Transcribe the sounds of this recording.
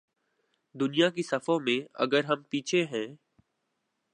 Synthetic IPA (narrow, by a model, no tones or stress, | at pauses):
d̪ʊnijakisɐfomẽɐ̰ɡəɾɦɐmpiːt͡ʃʰeɦɛ̃ː